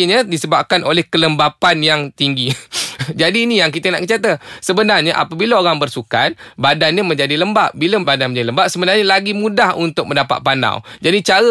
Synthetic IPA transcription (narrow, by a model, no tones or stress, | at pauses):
ɲədisəbap̚kanolɛhkələmbapanjaŋt̪iŋɡid͡ʒadiːnijaŋk̬it̪əna̰ʔkət͡ʃat̪əsəbənarɲaʔa̰pabilaoɾaŋbərsuka̰t̪̚badanɲamə̃ɲd͡ʒadiləmbaʔbiləbadanmə̃ɲd͡ʒadiləmbaʔsəbənarɲalaɡimũdahunt̪ʊk̚mə̃ndapa̰t̪̚pana̰wd͡ʒadit͡ʃaɾə